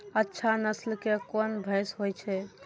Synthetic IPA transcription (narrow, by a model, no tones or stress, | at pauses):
ətːʃʰanəslkekonbʱə̃ɪsɦojt͡ʃʰɛ